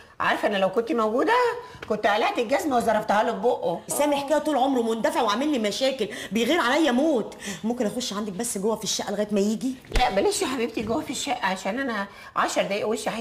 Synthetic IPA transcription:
ʕɑ̰ɾˤɑfʔænːælæwkont̪imowɡuːd̪æ | kont̪ʕælæʔt̪eɡæzmæwezɑɾˤːɑft̪hɑloboʔosæːmeħkæjæt̪uːlʕomɾwemond̪æfeʕweʕamelːimæʃæːkelbejɣiːɾʕalæjːæmoːt̪momkenʔæxoʃːʕand̪æk̚bæsːɡowːæfiʃːæʔleɣæːjet̪mæjiːɡilæʔbæleʃiħabib̚t̪iɡowːæfiʃːæʔʕaʃæːnʔænæ | ʕɑʃɑɾˤd̪æjʔweʃaħ

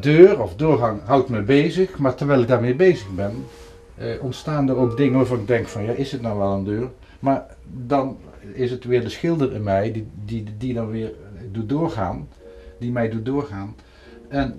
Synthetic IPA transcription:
døːrɔfdʊːɹɣɑŋɦɑwtməbejzəxmaːɹtəɹʋɛjlɪɡ̚daːɹmeːɹbejzəɣbɛn | ʔɔntstaːndərowkdɪŋəʋaːvɑnɪɡ̚dɛŋkfɑnjaːʔɪsɦətnɔwʋɛlˠəndøːɹ | maːɹ | dɑn | ɪsətʋɪːɹdəsxɪlˠdərɪ̰nmɛjidididɑnʋɪːɹdutdʊːɹχa̰ːn | dimɛjdut̚dʊːɹχaːn | ɛn

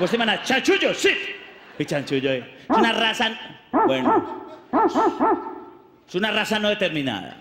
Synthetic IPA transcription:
poslimanat͡ʃant͡ʃuʎosit̪it͡ʃant͡ʃuʎoisunarasanbweno | sunarasanoðet̪eɾmĩna̰ða̰

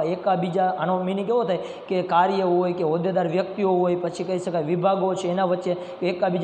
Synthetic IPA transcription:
ekabid͡ʒaañõminikeʋot̪ʰaj | kekaɾjəɦojkeɦod̪ed̪aɾʋjək̚t̪ioɦojpət͡ʃʰikəiʃəkajʋibʱaɡot͡ʃʰeːnaʋətːʃe | kːkabid͡ʒ

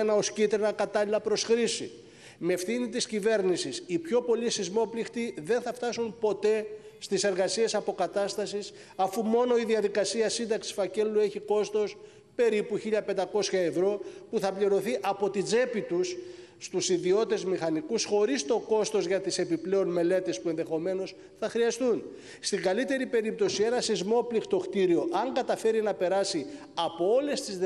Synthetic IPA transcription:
enɐo̞scit̪ɾenɐkɐt̪ɐlilɐpɾo̞sxɾisḭ | mefθinit̪iscive̞ɾnisisipço̞po̞lisizmo̞plixt̪iðe̞nθɐft̪ɐsumpo̞t̪e̞st̪ise̞ɾɣɐsie̞sɐpo̞kɐt̪ɐst̪ɐsis | ɐfumo̞no̞iðiɐðikɐsiɐsind̪ɐksi̥sfɐce̞lue̞çiko̞st̪o̞s | pe̞ɾipuçiʎɐpe̞nd̪ɐko̞sçɐe̞vɾo̞puθɐpʎiɾo̞θiʔɐpo̞t̪id͡ze̞pit̪usː | t̪usiðio̞t̪e̞zmixɐnikusxo̞ɾist̪o̞ko̞st̪o̞zʝɐt̪ise̞piple̞o̞nme̞le̞t̪e̞spue̞nðe̞xo̞me̞no̞s | θɐxɾiɐst̪un | st̪iŋɡɐlit̪e̞ɾipe̞ɾip̚t̪o̞sie̞nɐsizmo̞plixt̪o̞xt̪iɾio̞ʔɐŋɡɐt̪ɐfe̞ɾinɐpe̞ɾɐsi | ɐpo̞o̞le̞st̪iz

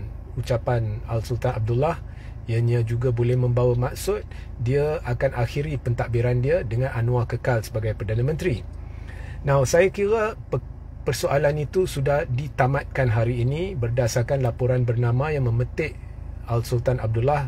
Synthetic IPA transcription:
ut͡ʃapanalsult̪anab̚dulah | janjad͡ʒuɡabolɛhmə̃mbawamaksʊt̪̚ | diaakanʔaxiɾipənt̪aʔbiɾandiadəŋãnʔanũakəkalsəbaɡajpərdanãmə̃nt̪ɾi | nasajakiɾa | pərsoalanit̪usudahdit̪amat̪̚kanɦaɾiːnibərdasakanlapoɾanbərnamãjaŋmə̃mət̪ɪʔalsult̪anab̚dulah

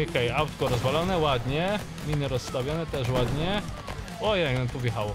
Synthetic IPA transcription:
okɛjawt̪kɔɾɔzvalɔnɛwad̪ɲɛ | mʲinɨɾɔsːt̪avʲjɔnɛt̪ɛʂ̬wad̪ɲɛ | ɔjɛɡnɛt̪ubʲjɛxawɔ

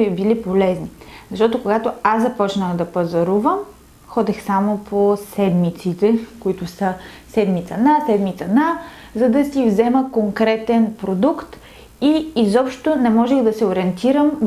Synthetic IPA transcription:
bilipolɛznizɐʃt̪ɔt̪okoɡat̪oaszɐpɔt͡ʃnəxd̪ɐpɐzɐɾuvəm | xɔd̪ɛxsamopʰosɛd̪mit̪sit̪ɛkʊit̪ʊsə | sɛd̪mit̪sɐnasɛd̪mit̪sɐna | zɐd̪ɐsivzɛməkoŋkɾɛt̪ɛnpɾod̪ukt̪ | iːzɔpʃt̪onɛmɔʒɛxd̪ɐsɛoɾiɛnt̪iɾəm

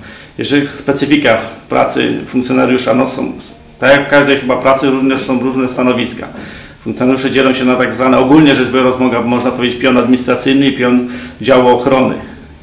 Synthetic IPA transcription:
jɛʐɛispɛt̪sɘfʲikapɾa̰t̪sɘ̰fũŋkt̪sʲjɔnaɾjuʂanɔsɔ̰̃w̃ | t̪aakfkaʐd̪ɛjxɘbapɾat̪sɘɾuvɲɛʂsɔ̃w̃ɾuʐnɛst̪anɔvʲiska̰ | fũŋkt̪sʲjɔnaɾjuʂɛd͡ʑelɔ̃w̃ɕɛnat̪aɡzvanɛɔɡulɲɛʐɛʐbɾɔzmɔɡabɔmɔʐnapɔvʲed͡ʑet͡ɕpʲjɔnad̪mʲiɲist̪ɾat̪sɘjnɘipʲjɔnd͡ʑawɔɔxɾɔnɘ̰

